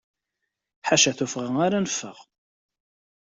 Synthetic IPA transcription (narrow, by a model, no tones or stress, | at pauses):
ħaʃæθufʁəŋaɾanəfːə̰ʁ